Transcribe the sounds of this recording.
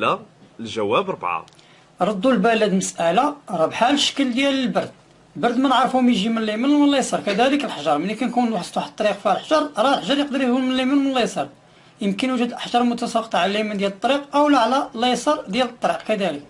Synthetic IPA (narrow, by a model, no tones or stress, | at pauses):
lælʒæwːæbɾˤbʕa̰ | ɾˤɑd̪ːulbælæd̪məsʔælaɾˤɑbħalʃːə̥kəld̪jæləlbɑɾˤd̪̚ | lbɑɾˤd̪mænəʕɾˤfumjʒimənlːimənwənlejsˤɑɾkæd̪æləkəlħʒɑɾˤmənːikænkunwuħəsˤt̪uħt̪ˤːɑɾiqfihælħʒɑɾˤɾˤɑlħʒɑɾjəqd̪əɾjʒulmənlimənmənlːejsˤɑɾˤ | jəmkənwəʒəd̪ʔəħʒɑɾˤmʊt̪ɑsɑqːət̪ˤʕlælːimænd̪jælət̪ˤːɑɾiqʔəwlæʕlælɑjsˤɑɾˤd̪jælət̪ˤːɑɾiqkæd̪ælək̚